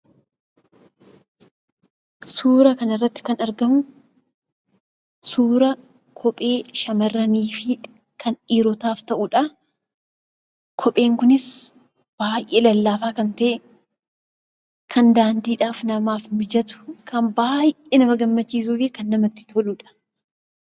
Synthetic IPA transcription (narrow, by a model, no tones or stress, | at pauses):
suːɾɐkɐnɪrːɐt̪ːɪ̥kɐnɐɾɡɐmʊ | suːɾɐ | kʰɔpʼeːʃɐmɐrːɐniːfɪ | kʰɐniːɾɔt̪aːft̪ɐʔʊᶑɐ | kʰɔpʼe̞ːŋkʊnɪs | b̥aːjʔeːlɐlːaːfaːkɐnt̪ɐʔɛ | kʰɐnd̪aːnd̪iːᶑaːfnɐmaːfmɪd͡ʒɐt̪ʊ̥kʰɐmbaːjʔenɐmɐɡɐmːɐt͡ʃːiːs̬uːbeːkɐnːɐmɐt̪ːɪ̥t̪ʰoluᶑɐ̥